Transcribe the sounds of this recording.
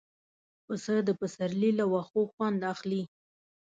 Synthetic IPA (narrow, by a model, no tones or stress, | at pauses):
pəsəd̪əpəsaɾlilawaxoxwand̪axli